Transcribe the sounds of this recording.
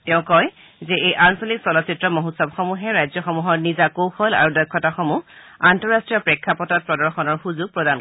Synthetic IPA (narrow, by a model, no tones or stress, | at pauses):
tɛʊ̃kɔj | zɛʔejʔansɔliksɔlɔsitɹɔmɔɦutsɔbxɔmuɦɛɹajzjɔxɔmuɦɔɹnizakowxɔla̰ɹudɔjkʰːɔtaxɔmuantɔɹastɹijɔpɹekʰːapɔtɔt̚pɹɔdɔɹxɔnɔɹxuzuɡ̚pɹɔdan